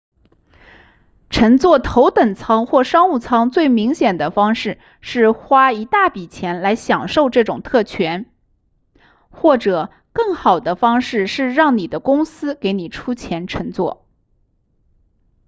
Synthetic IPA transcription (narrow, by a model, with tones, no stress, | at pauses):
ʈ͡ʂʰə˧˥ŋt͡swɔ˥˩t̪ʰo˧˥ʊt̪ə˨˩ŋt͡sʰɑ˥ŋxwɔ˥˩ʂɑ˥ŋu˥˩t͡sʰɑ˥ŋt͡swe˥˩ɪmi˧˥ŋɕjɛ˨˩nd̪ə˦fɑ˥ŋʂɻ̩˥˧ | ʂɻ̩˥˩xwa˥i˧˥t̪a˥˩pi˨˩t͡ɕʰjɛ˧˥nla˧˥ɪɕjɑ˨˩ŋʂo˥˧ʊʈ͡ʂɤ˥˩ʈ͡ʂʊ˨˩ŋt̪ʰɤ˥˩t͡ɕʰɥɛ˧˥n | xwɔ˥˩ʈ͡ʂɤ˨˩ | kɤ˥˩ŋxɑ˨˩ʊd̪ə˦fɑ˥ŋʂɻ̩˥˧ʂɻ̩˥˧ɻɑ˥˩ŋni˨˩d̪ə˦kʊ˥ŋsɹ̩˥ke˧˥ɪni˨˩ʈ͡ʂʰu˥t͡ɕʰjɛ˧˥nʈ͡ʂʰə˧˥ŋt͡swɔ̰˥˩